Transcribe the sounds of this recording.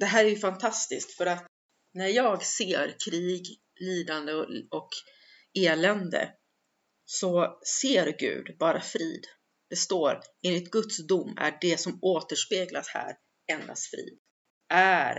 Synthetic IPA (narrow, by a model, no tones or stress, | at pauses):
d̪̥ɛɦæːɾæɾjɵfant̪ʰast̪ɪsk̚t̪fœɾat̪ | næɾjɑːɡseːɾkʰɾiːɡ | liːd̪and̪əɔk | eːlɛnd̪ə̰ | sɔseːɾɡʉ̟̰ːd̪bɑːɾafɾḭːd̪ | d̪̥ɛst̪oːɾeːnlɪt̪̚ɡɵt̪sd̪ʊmːæ̰ɖɛsɔmoːt̪əʂpeːɡlashæ̰ːɾ | ɛnd̪a̰st̪fɾḭːd̪ | ʔæɾ